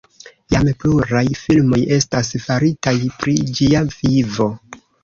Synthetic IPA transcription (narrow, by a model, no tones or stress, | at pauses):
jamepluɾajfilmo̞je̞stasfaɾitajpɾid͡ʒiav̥ivo̞